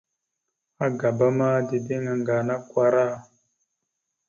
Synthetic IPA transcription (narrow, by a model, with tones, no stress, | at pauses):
a˦ɡa˨ba˦ma˦di˨de˦ŋa˨ŋɡa˨na˦kwʷa˦ɾa˦˨